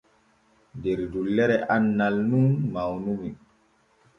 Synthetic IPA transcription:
ndɛɾdulːɛɾɛʔanːalnunmawnumi

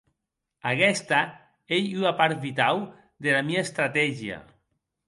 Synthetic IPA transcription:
akɛst̪a | ejyapaɾt̪βit̪aw | ðelamiaest̪ɾat̪ɛʒia̰

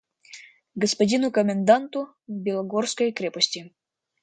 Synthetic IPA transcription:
ɡəspɐdʲinukomʲend̪ɑnt̪u | bʲelˠoɡorskɔjkɾʲeposʲtʲi

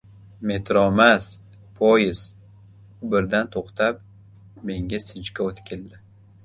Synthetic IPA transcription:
me̞t̪ʰɾɒmas | pʰojɪz | ʊbɪɾd̪ant̪ʰoqt̪ʰap̚ | me̞ŋʲasɪt͡ʃkʲaot̪kʲɪld̪ɪ

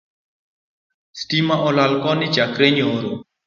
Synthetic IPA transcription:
stimaʔɔlalkɔnɪt͡ʃakɾeɲoɾo

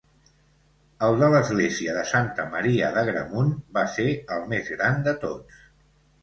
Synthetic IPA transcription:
əlˠd̪ələzɣleziəðəsant̪əməɾiəðəɣɾə̰munbaseəlˠmezɣɾand̪ət̪ots

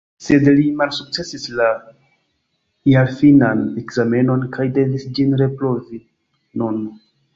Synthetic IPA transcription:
se̞dlimalsuk̚t͡se̞sisla | jaɾfinane̞kz̥ame̞no̞nkʰajde̞visd͡ʒinɾe̞pɾo̞vi | nun

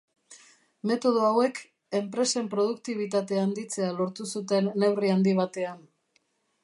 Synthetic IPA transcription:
me̞t̪o̞ð̞oawe̞k | e̞mpɾe̞se̞mpɾo̞ð̞ukt̪iβ̞it̪at̪e̞and̪it͡se̞alo̞ɾt̪usut̪e̞nːe̞wriand̪iβat̪e̞an

